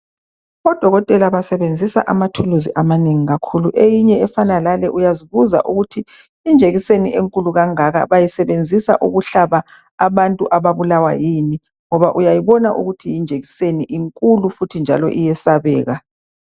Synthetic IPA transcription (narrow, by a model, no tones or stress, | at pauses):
ɔd̥ʱɔɣɔtʼɛlaβasɛβend͡zʱisa̰ʔamatʰuluziʔamaneŋiɣakʰuluʔejiɲɛɛfanalalɛʔujaziβuza̰ʔuɣutʰiː | nd͡ʒʱeɣiseniʔeŋkʼuluɣaŋaɣa̰βajisɛβend͡zʱisa̰ʔuɣuɬaβa | aβantʼuʔaβaβulawa̰jini | ŋɔβaʔujajiβɔnaʔṵɣutʰijind͡ʒʱeɣiseniʔiŋkʼulufutʰind͡ʒʱa̰lɔ̰ʔijɛsaβɛ̰ːɣa